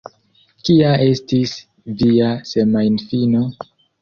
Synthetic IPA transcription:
kiae̞stis | viasemajnfino̞

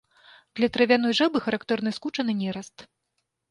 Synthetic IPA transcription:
d̪̥lʲɐt̪ɾɐvʲan̪ɔjʐɛbɨxɐɾakt̪ɛrnɨskut͡ʂɐnɨnʲɛɾɐst̪

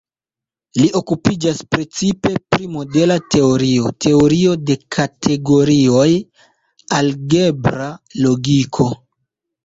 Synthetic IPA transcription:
liʔo̞kupid͡ʒaspɾe̞t͡sipe̞pɾimo̞de̞late̞o̞ɾio̞tʰe̞oɾio̞de̞kʰatʰe̞ɡo̞ɾio̞j | alɡe̞bɾalo̞ɡikʰo̞

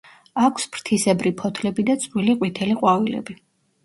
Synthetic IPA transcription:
akʰspɾt̪ʰisɛbɾipʰɔt̪ʰlɛbid̪at̪sʼwiliqʼwit̪ʰɛliqʼwavilɛ̰bi

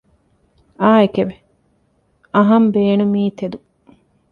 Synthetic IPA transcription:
aːekeʋe | ɐɦɐmbeːnumiːt̪ed̪u

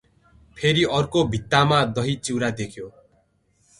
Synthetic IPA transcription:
pʰeɾiʌrkobʱit̪ːamad̪ʌɦit͡ʃiwɾad̪ekʰjo

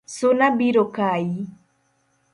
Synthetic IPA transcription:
sonabiɾokaji

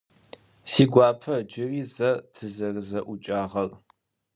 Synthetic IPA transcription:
siːɡʷaːpʰɐd͡ʒɪriːzɐtʰɨzɐrɨzɐʔʷʊt͡ʃʼaːʁɐr

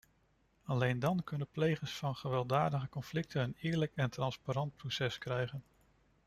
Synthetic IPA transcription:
ɑlejndɑnkɵnəplejχəɹsfɑnχəʋɛlˠdaːdəχəkɔnflɪk̚tənənɪːɹləkɛntrɑnspaɾɑnt̚prosɛskrɛjχən

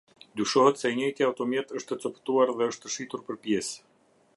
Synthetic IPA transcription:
d̪yʃɔɦɛt̪sɛɲəjt̪jɛawt̪ɔmjɛt̪əʃt̪ət͡sɔpt̪uaɾðɛəʃt̪əʃit̪uɾpəɾpjɛs

